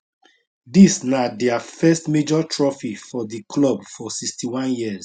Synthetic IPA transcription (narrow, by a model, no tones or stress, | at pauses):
disnadɛafɛstmed͡ʒɔtʰɹɔfifɔdikʰlɔbfɔsikstiwãnjiz